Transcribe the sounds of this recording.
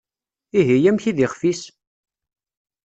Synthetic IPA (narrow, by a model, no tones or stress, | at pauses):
iɦijæmçiðiχfis